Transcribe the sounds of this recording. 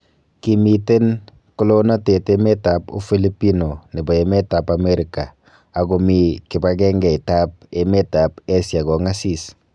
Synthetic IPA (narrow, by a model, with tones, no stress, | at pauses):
kimi˨te˦n | kʊ˦lo˦na˦te˨te˦me˦ta˨pṵ˦fi˦li˦pi˦no˨ni˨bɔ˨e˨me˦ta˨pa˨me˦ɾi˨ka˨ | a˨ɡɔ˨mi˨kɪ˨ba˦kɛ˦ŋɡɛ˨i˨ta˦p̚e˦me˦ta˨pe˦sa˨kɔ˨ŋa˦sis